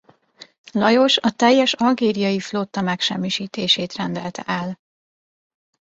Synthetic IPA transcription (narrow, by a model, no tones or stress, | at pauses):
lɒjo̞ʃɒt̪ɛjːɛʃɒlɡeːɾijɒjiflot̪ːɒmɛkʃɛ̰mːiʃiːt̪eːʃeːt̪rɛnd̪ɛlt̪ɛ̰ʔɛl